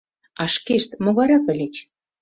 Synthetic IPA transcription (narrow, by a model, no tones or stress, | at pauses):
ɑʃkeʃt̪moɣɑɾɑpɘ̆lʲet͡ɕ